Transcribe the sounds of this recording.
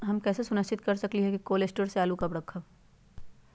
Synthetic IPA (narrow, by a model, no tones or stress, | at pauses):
ɦɐmkɛːsesʊnəst͡ʃɪt̪kɐɾsɐkliɦɛkikoːlesʈəɾseaːlukɐbɾɐkʰːəb